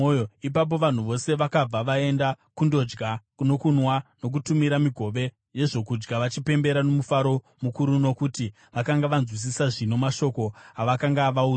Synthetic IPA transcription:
ip̬ap̬o̞ʋan̤uʋo̞se̞ʋakab͡vaʋae̞nda | kundo̞d͡ʒɡakuno̞kunwano̞k̬utumiɾamiɡʱo̞ʋe̞ | je̞ʐo̞kud͡ʒɡaʋat͡ʃipe̞mbe̞ɾano̞mufaɾo̞ | mukuɾuno̞kuti | ʋakaŋɡaʋanzwis̬isaʐino̞maʃo̞ko̞ɦaʋakaŋɡaʋau

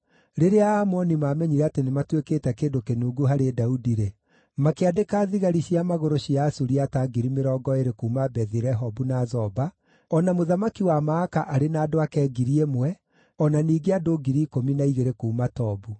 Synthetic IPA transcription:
ɾeɾeaːmɔnimamɛɲiɾɛatenematwekeːtɛkeːdokenuːɡuɦaɾedaudiɾe | makeadekaːðiɣaɾiɕiamaɣoɾoɕiasuɾiataɡiɾimeɾɔːɡɔeɾekuumabɛðiɾɛɦɔbunazɔba | ɔnamoðamakiwamaːkaʔaɾenaːdoakɛːɡiɾiemwɛ | ɔnaniːɡeadoɡiɾiːkominaiɣeɾekuumatɔbu

